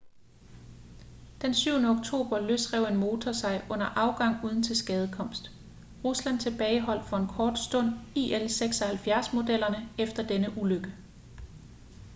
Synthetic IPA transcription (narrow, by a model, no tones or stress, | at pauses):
d̥ensyʊ̰nəɔ̽ɡ̥̚t͡sʰo̝̰ːb̥ɐløsʁɛʊ̰e̝nmo̝ːt͡sʰɒsɑ̈ɪʔɔ̽n̰ɐʔɑ̈ʊɡ̥ɑ̈ŋ̰uːðˠn̩t͡sʰe̝lsɡ̥ɛːð̞ˠəkʰɒ̽m̰sd̥ | ʁuslæn̰t͡sʰe̝b̥ɛːɪɦɒ̽l̰d̥fɒ̽e̝nkʰɒːd̥sd̥ɔ̽n̰ielseɡ̥sɒhælfjæɐsmo̝d̥el̰ɐnəefd̥ɐd̥enəʔuløɡ̥ə